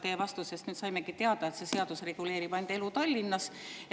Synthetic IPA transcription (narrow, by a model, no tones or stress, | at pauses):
t̪e̞ːvɑst̪use̞st̪nyːt̪sɑjme̞kit̪eɑd̪ɑet̪se̞seɑd̪usre̞ɡ̥ule̞ːɾipɑjnd̪e̞lut̪ɑlʲːinːɑs